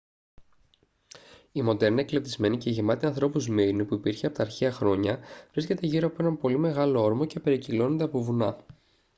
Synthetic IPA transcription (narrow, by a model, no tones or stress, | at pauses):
imo̞d̪e̞ɾnieklept̪izme̞niceʝimɐt̪iɐnθɾo̞puzmiɾnipuipiɾçeɐpot̪ɐːɾçeɐxɾo̞ɲɐvɾisce̞t̪e̞ʝiɾoɐpoe̞nɐmpo̞lime̞ɣɐlo̞o̞ɾmoce̞pe̞ɾicilo̞nond̪e̞ɐpo̞vunɐ